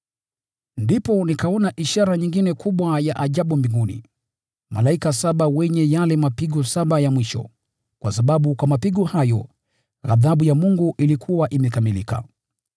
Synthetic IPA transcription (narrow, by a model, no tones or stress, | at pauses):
ndipɔnikaɔnaʔiʃaɾaɲiŋɡinɛkuɓwajaʔaʄaɓumbiŋɡunḭ | malaikasaɓawɛɲɛjalɛmapiɡɔsaɓajamwiʃɔ̰ | kwasaɓaɓukwamapiɡɔhajɔ | ɣa̰ðaɓujamuŋɡuʔilikʰuwaʔimɛkamilika̰